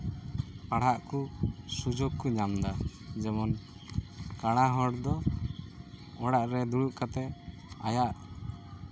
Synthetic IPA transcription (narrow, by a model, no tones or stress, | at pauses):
paɽ̤aʔkusud͡ʒoɡkuɲamd̪a | d͡ʒɛmɔn | kaɽ̃aɦɔɽd̪ɔ | ɔɽaʔɾɛd̪uɽuʔkat̪ɛ | ajaʔ